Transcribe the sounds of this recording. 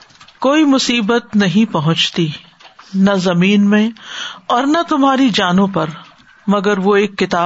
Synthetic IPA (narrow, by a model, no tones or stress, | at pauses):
koːimʊsiːbət̪nɐɦĩpɐɦʊ̃t͡ʃt̪i | nɐzɐmiːnmẽɔːɾnɐt̪ʊmɦaːɾid͡ʒaːnõpɐɾ | mɐɡəɾʋoeːkːɪt̪aː